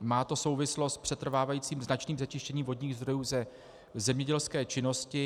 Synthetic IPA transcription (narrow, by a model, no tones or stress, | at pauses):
maːt̪o̞so̞wvɪslo̞st̪̚pr̝̥ɛt̪r̩vaːvajiːt͡siːmznat͡ʃniːmzɛt͡ʃɪʃcɛɲiːmvo̞dɲiːɣzd̪ɾo̞juːzɛ | zɛmɲɛɟɛlskɛːt͡ʃɪno̞scɪ